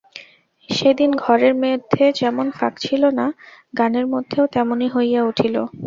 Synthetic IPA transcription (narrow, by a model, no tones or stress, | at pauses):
ʃed̪inɡʱɔɾeɾmed̪ʱːed͡ʑɛmonfa̰kt͡ɕʰilonaɡaneɾmod̪ʱːeot̪ɛmoniɦojjauʈʰilo